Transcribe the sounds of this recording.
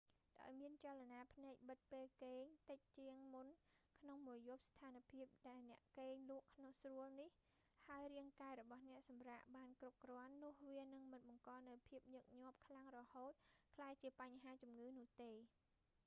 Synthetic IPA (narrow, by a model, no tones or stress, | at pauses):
ɗa̰ɔjmiənt͡ɕalanaːpʰnaɛk̚ɓɨt̪̚peːlkeːɲt̪əc̚t͡ɕiəŋmunkʰnoŋmuəjjuəp̚st̪ʰaːnpʰiəp̚ɗaɛlnɛ̆əʔkeːɲluəʔkʰːnoŋsruəlnih | haəjriəŋkaɛɾɔɓɑhnɛ̆əʔsɑmraːʔɓaːnkrup̚krɔ̆ənːʊ̆əhʋiənɨŋmɨnɓɑŋkɑːnɨwpʰiəp̚ɲoːək̚ɲŏəp̚kʰlaŋrɔhoːt̪̚kʰlaːjt͡ɕiəpaɲɦaːt͡ɕumŋɨːnʊ̆əht̪eː